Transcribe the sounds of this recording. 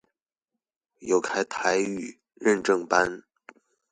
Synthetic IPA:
jo˧˩ʊkʰa˥ɪt̪ʰa˧˥ɪy˨˩ | ɻə˥˧nʈ͡ʂɤ˥˧ŋpa˥n

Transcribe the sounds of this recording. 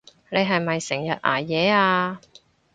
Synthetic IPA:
ne˨˧jɦɐ˨jmɐ˨jsɪ˨˩ŋjɐ˨t̚ʔa̰ː˨˩jɛː˨˧aː˧

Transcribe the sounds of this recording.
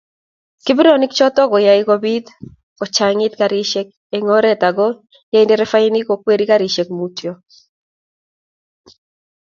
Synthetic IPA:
ki˦bi˦ɾoni˦kt͡ʃɔ˦t̪ɔ˦ɡɔ˨ja˨iko˦bi˦d̪ | kɔ˨t͡ʃaŋɪ˦t̪ka˨ɾi˦ʃɛ˦k̚ | eŋɔ˦ɾɛ˦t̪a˨ɡɔ˦ | ja˦i˦ndɛɾɛ˦fa˦ini˦ko˨kwe˦ɾi˦ka˦ɾi˨ʃe˨kmutjo˦

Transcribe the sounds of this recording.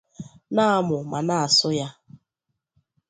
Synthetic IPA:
na˦a˦˨mʊ˨ma˨na˦a˨sʊ˦ja˦

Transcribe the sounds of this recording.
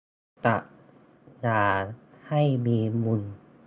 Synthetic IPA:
t̪a˧˩ | jaː˧˩ha˥˩jmiː˧mu˧n

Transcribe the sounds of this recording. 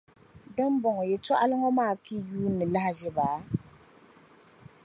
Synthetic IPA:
dɨ˦m˦bɔ˨ŋɔ˨jɛ˨tɔ˦ʔa˦lɨ˦ŋɔ˦maː˦˨ki˦˨juː˦nːɨ˨la˦ha˨ʒɪ˦baː˨˦

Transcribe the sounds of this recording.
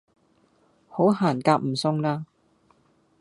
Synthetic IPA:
ho˨˥wɦaː˨˩nkaː˧˥p̚m̩˨˩sʊ˧˥ŋlaː˥

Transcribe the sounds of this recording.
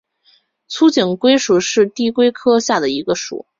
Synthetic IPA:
t͡sʰu˥t͡ɕi˨˩ŋkwe˥ɪʂu˨˩ʂɻ̩˥˧t̪i˥˩kwe˥ɪkʰɤ˥ɕja˥˩d̪ə˩i˧˥ɡə˧ʂṵ˨˩˦

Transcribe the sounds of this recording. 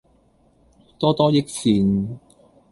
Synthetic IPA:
t̪ɔː˥t̪ɔː˥jɪ˥k̚siː˨n

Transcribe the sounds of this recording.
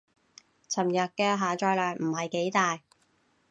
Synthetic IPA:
t͡sʰɐ˨˩mjɐ˨t̚kɛː˧ɦaː˨t͡ʃɔː˧jlœː˨˩ŋm̩˨˩hɐ˨jke˨˥jt̪aː˨j

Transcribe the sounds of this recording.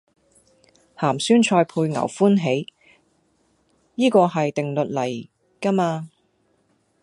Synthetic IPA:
haː˨˩msyː˥nt͡ʃʰɔː˧jpʰuː˧jŋɐ̰˨˩wfuː˥nɦe˨˥j | jiː˥kɔː˧ɦɐ˨jt̪ɪ˨ŋlɵ˨t̚lɐ˨˩j | kɐ˥maː˧

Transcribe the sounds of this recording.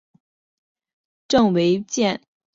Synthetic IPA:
ʈ͡ʂɤ˥˩ŋwe˧˥ɪt͡ɕjɛ˥˩n

